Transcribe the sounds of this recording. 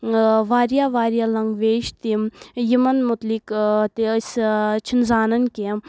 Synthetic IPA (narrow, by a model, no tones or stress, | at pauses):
ʋaːɾjaʋaːɾjalɐŋɡʋeːʃt̪imjimɐnmut̪likt̪ist͡ʃʰinzaːnɐnkem